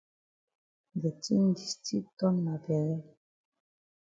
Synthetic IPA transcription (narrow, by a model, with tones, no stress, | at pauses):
ɡɛ˨ti˦n˦di˨sti˦tɔ˦nma˨bɛ˨ɛ˦